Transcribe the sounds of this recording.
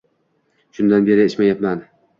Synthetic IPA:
ʃʊnd̪anbe̞ɾɪɪt͡ʃmajat̪man

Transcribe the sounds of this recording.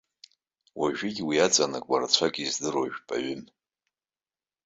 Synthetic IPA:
waʒᶣiɡʲʼwiat͡sʼanakʷʼarat͡ɕʷʰakʼizdɨroʒᶣpʼa̰ɥʏm

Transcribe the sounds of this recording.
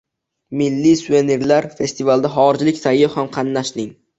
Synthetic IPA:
mɪlːisueneɾlaɾfe̞st̪ʰivalˠd̪aɦɒɾɪd͡ʒlɪkʲsajɪhamqʰɑnːaʃlɪŋ

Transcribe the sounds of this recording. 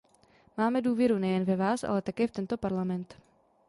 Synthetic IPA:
maːmɛduːvjɛɾunɛjɛnvɛvaːsʔa̰lɛt̪akɛːft̪ɛnt̪o̞paɾlamɛnt̪

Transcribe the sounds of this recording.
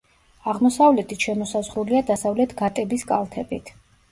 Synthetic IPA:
aʁmɔsavlɛt̪ʰiʃɛmɔsazʁɾuliad̪asavlɛt̪ʰɡat̪ʼɛbiskʼalˠt̪ʰɛbit̪ʰ

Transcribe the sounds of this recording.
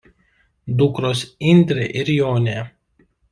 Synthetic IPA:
d̪ʊkɾosɪnʲd̪ʲɾʲeʔɪɾjoːnʲeː

